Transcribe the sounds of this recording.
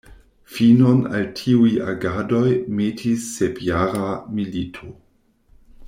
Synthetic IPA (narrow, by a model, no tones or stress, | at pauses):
fino̞na̰ltʰiujaɡado̞jmetʰisːepjaːɾamilitʰo